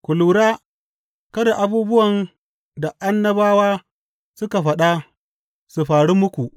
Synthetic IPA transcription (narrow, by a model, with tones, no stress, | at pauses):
kʷʊ˨luː˨ɽaː˦ | kɐ˦da˨ʔa˨buː˦bʊ˦wɐ˨n | da˨ʔa˦nːɐ˦baː˦waː˦ | sʊ˦ka˨ɸɐ˨ɗa˦ | su˨ɸaː˨ɽu˦mʊ˦kʷu˨ʔ